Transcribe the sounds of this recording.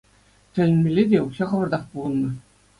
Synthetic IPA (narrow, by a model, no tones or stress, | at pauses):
t̪ʲɘ̆lʲɘ̆nʲmʲĕlʲːed̪ʲeukɕɑχɤ̆ʋɤ̆rd̪ɑχpulˠɤ̆nˠmɤ̆